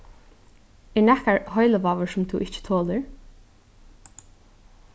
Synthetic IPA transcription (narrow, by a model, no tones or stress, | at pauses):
ɪɹnɛkaɹhɔjləʋaːʋəɹsʊmt̪ʰuʔɪt͡ʃə̥t̪ʰoːləɹ